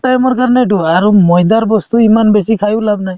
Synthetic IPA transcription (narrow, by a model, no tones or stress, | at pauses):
ʈajmɔɹkaɾnɛd̬uaɾumɔjd̪aɾbɔst̪uimanbesikʰajulabnaj